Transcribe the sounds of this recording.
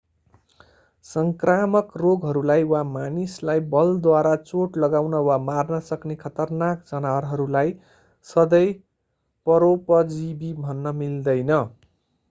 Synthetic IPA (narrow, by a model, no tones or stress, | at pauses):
sʌŋkramʌkroɡɦʌɾulajwamanislajbʌld̪waɾat͡soʈlʌɡawnʌwamarnʌsʌknekʰʌt̪ʌrnak̚d͡zʌnaɾɦʌɾulaj | sʌd̪ʌj | pʌɾopʌd͡zibibʱʌnːʌmild̪ʌjnʌ